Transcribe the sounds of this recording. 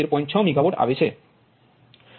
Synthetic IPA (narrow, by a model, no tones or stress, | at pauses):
eɾpɔ̃ɲt͡ɕʰawmiɡʱaboʈa̰bet͡ɕʰe